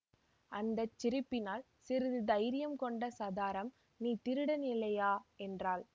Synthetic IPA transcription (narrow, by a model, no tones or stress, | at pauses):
ʔɐnd̪ɐt͡ʃːɪɾɯpːɪnaːl | sɪɾɯðɯd̪ɐɪɾɪjɐmkɔɳɖɐsɐðaːɾɐm | niːt̪ɪɾɯɽɐnɪlɐjaːɛndraːl